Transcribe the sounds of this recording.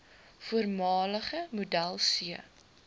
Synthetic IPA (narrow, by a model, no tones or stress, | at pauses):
fuərmɑːləχəmudælˠsiə